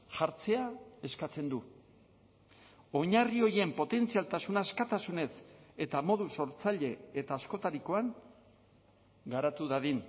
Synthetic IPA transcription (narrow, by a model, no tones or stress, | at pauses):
ʝaɾt͡se̞ae̞skat͡se̞nd̪u | o̞ɲario̞ɾie̞mpo̞t̪e̞nt͡sialt̪asunaeskat̪asune̞se̞t̪amo̞ðuso̞ɾt͡saʎe̞et̪aːsko̞t̪aɾiko̞aŋ | ɡaɾat̪uðaðin